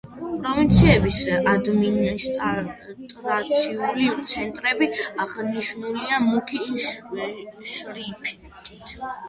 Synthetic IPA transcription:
pʼɾɔvint̪sʰiɛbisad̪minis | t̪ʼɾat̪sʰiulit̪sʰɛnt̪ʼɾɛbiaʁniʃnuliamukʰiʃ | ʃɾipʰi | t̪ʰʼit̪ʰ

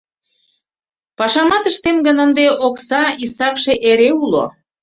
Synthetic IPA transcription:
pɑʃɑmɑt̪əʃt̪emɡənənd̪eʔoksɑisɑkʃeʔeɾeulo̰

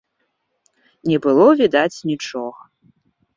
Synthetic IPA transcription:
nʲɛbɨlˠɔvʲid̪at͡sʲnʲit͡ʂɔɣɐ

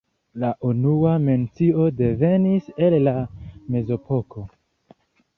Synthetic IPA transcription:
laʔunuame̞nt͡sio̞de̞ve̞nise̞lːame̞zo̞pʰo̞ko̞

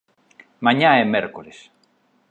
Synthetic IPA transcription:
mãɲaɛmɛɾkoles

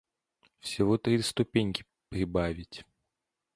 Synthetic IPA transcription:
fsʲɪvɔt̪ɾʲist̪ʊpʲenʲkʲɪ̥ | pɾʲɪbavʲɪtʲ

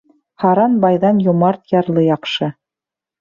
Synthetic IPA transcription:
hɑɾɑnbɑjðɑnjŏmɑɾt̪jɑɾlˠɤjɑqʃɤ

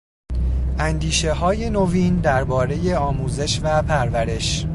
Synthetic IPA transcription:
ʔænd̪iːʃe̞hɒːje̞noviːnd̪æɾbɒːɾe̞je̞ɒːmuːze̞ʃvæpʰæɾvæɾe̞ʃ

